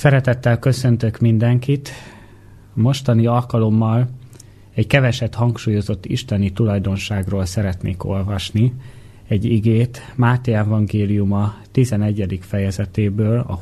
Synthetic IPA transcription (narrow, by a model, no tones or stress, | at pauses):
sɛɾɛt̪ɛt̪ːɛlkø̞sø̞nt̪økmind̪ɛŋkit̪ | mo̞ʃt̪ɒniɒlkɒlo̞mːɒl | ɛckɛvɛʃɛt̪hɒŋkʃuːjo̞zo̞t̪ːḭʃt̪ɛnit̪ulɒjd̪o̞nʃaːɡroːlsɛɾɛt̪nḛːko̞lvɒʃni | ɛɟiɡeːt̪maːt̪eɛvɒŋɡeːlijumɒt̪izɛnɛɟːɛd̪ikfɛjɛzɛt̪eːbøːlɒ̰